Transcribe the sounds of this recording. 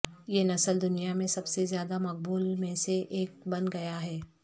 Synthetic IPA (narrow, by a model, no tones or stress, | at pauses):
jeːnɐsəld̪ʊnijamẽsɐbsezjaːd̪amɐq̚buːlmẽseʔeːk̚bɐ̃nɡɐjaɦɛː